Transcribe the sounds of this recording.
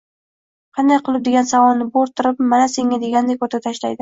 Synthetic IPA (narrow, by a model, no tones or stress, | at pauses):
qʰɑnd̪ajqʰɨlˠɪp̚d̪e̞ɡʲansavɒlnːɪboɾt̪ʰɪɾɪpmanase̞ŋːʲad̪e̞ɡʲand̪ekʰot̪ʰat̪ʰaʃlajd̪ɪ